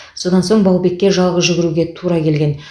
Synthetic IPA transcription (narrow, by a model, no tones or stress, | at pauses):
so̞d̪ɑnso̞ɴbɑwˠbe̞kʲːeʒɑlˠʁəzʒʏɡʲɪɾuɡʲe̞t̪ʰuɾɑkʲʰe̞lɡʲe̞n